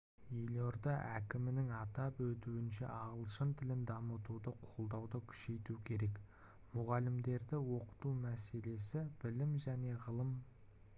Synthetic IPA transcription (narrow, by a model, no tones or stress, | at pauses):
ɵjloɾd̪ɑʔækʲɪmɪnɪŋɑt̪ɑpwɵt̪uɪnʃe̞̰ʔɑʁəlˠʃənt̪ʰɪlɪnd̪ɑmət̪ud̪əqʰo̞lˠd̪ɑwd̪əkʲʰʏ̥ʃe̞jt̪ukʲʰe̞ɾe̞k | mʊʁɑlɪmd̪e̞ɾd̪ɪwo̞qə̥t̪umæse̞le̞sɪb̥ɪlɪmʒæne̞ʁəlˠəm